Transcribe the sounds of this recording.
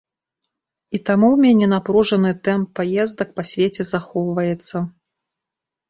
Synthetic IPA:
it̪amuwmʲɛnʲɛnapɾuʐɐnɨt̪ɛmpːajɛzd̪ɐk̚pasʲvʲet͡sʲɛzaxɔwvɐjɛt̪sːɐ

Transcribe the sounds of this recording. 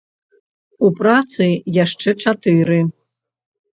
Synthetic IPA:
upʼrat̪t͡sʰɨjaʂʈ͡ʂʰɛʈ͡ʂʰat̪ʰɨɾɨ

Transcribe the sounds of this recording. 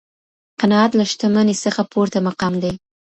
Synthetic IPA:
qanɑat̪laʃt̪amanesəxapʰoɾt̪amaqɑmd̪aj

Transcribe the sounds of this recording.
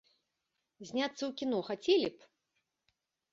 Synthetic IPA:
zʲnʲat̪sːɐwkʲinɔxat͡sʲelʲip

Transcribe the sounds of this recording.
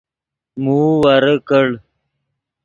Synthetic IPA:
muːwɐɾəkəɽ

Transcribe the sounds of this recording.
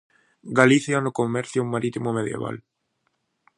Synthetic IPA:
ɡaliθjanokomɛɾθjomaɾit̪imomeðjḛβa̰l

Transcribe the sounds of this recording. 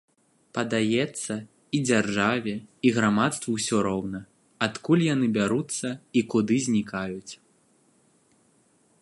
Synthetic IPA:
pɐd̪ajɛt̪sːɐ | id͡zʲarʐavʲɛiɣɾamat̪st̪vɐwsʲɔɾɔwnɐ | at̪kulʲjanɨbʲaɾut̪sːɐikud̪ɨzʲnʲikajut͡sʲ

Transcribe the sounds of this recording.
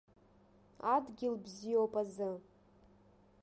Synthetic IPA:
adɡʲɪlbzijopʼazɨ

